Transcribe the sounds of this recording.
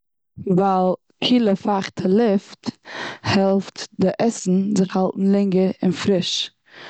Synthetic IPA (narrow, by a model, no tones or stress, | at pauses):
valˠ | kʰiːlˠəfaχtʰəlˠɪfthɛlˠftdɪʔɛsn̩zɪχhalˠtn̩lˠɪŋɡəɾɪ̰nfɾɪʃ